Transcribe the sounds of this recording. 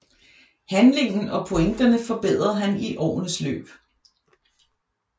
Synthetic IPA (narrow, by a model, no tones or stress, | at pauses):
hænle̝ŋ̰n̩ɒ̽pʰo̝eŋd̥ɐnəfɒ̽b̥eð̰ˠʁɐɦæniʔɒ̰ːnəslø̰ːb̥